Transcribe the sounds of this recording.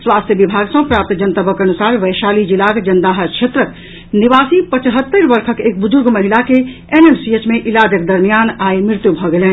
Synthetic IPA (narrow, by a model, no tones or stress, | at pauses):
swaːst̪ʰjəʋibʱaːɡsɐ̃pɾaːp̚t̪d͡ʒənt̪əbʱəkɐnusaːɾʋɛːʃaːlid͡ʒilaːkd͡ʒɐnd̪aːɦəɾt͡ʃʰet̪ɾək | niʋaːsipət͡ʃɦət̪ːəɾʋəɾkʰəkeːk̚bʊzʊɾɡməɦilake | eːnemsiet͡ʃmẽʔilaːd͡ʒək̚d̪ɐɾmijaːnaːemɾɪɾt̪jubʱɔɡelẽː